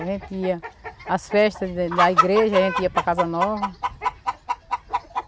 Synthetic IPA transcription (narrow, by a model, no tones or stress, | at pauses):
aʒẽnt̪iɐɐsfɛʃt̪ɐd̪ɐiɡɾeʒɐaʒẽnt̪iɐpɾɐkazɐnɔvɐ